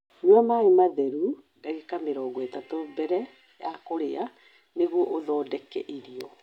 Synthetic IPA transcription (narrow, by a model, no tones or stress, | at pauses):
nwamaemaðɛɾu | daɣekameɾɔːɡɔetatobɛɾɛ | jakoɾea | neɣwɔʔoðɔːdɛkɛ̰ʔeɾiɔ